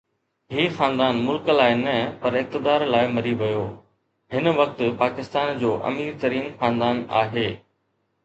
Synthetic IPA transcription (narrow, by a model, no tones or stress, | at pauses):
ɦiːxãːnd̪aːnmʊlkəlaːɪnɐpɐɾɪk̚t̪ɪd̪aːɾlaːɪmɐɾiʋɐjoː | ɦɪn̆ʋɐk̚t̪paːkɪst̪aːnd͡ʑoːʔɐ̰miːɾt̪ɐɾiːnxãːnd̪aːna̰ːɦeː